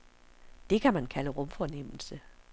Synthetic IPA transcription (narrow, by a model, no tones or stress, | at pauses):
d̥e̝kʰæmænkʰæləʁɔ̽mfɒnem̰l̩sə